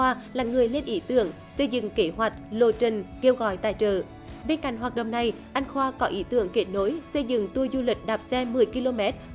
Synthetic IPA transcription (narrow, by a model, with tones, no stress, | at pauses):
aː˧laː˨˩ŋɨ˨˩əjle˧nʔi˧˦t̪ɨ˧˩əŋ | sə˧jzɨ̰˧˨ŋke˧˩hɦwa˨˩jk̟̚lo˧˨˩t͡ɕə˨˩nke˧wɣɔ̰˧˨jt̪a̰ː˧˨jt͡ɕəː˧˨˩ | ɓe˧nka̰˧˨jŋ̟ɦaː˨˩t̚ɗə̰˧˨wŋ͡mna˨˩j | ʔa˧jŋ̟xwaː˧kɔ˨˦ʔi˨˧˦t̪ɨ˨˧˩əŋke˨˦˥t̚no˨˦jsə˧jzɨ̰˧˨ŋt̪u˧əzu˧lï˨˩k̟̚ɗaː˨˩p̚sɛ˧mɨ˨˩əjki˧lo˧mɛ˦˥t̚